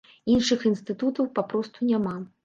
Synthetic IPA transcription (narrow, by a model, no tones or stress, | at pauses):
inʂɨxinst̪ɨt̪ut̪ɐwpapɾɔst̪unʲama